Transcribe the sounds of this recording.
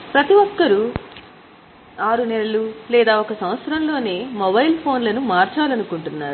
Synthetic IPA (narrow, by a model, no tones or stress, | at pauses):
pɾɐt̪iʋɔkːɐɾu | aːɾunɛlɐlulɛːd̪aːɔkɐsɐmʋɐt̪sɾɐmlo̞ːne̞ːmɔbɐjlpʰo̞ːnlɐnumaːɾt͡ʃaːlɐnukuɳʈunːaːɾu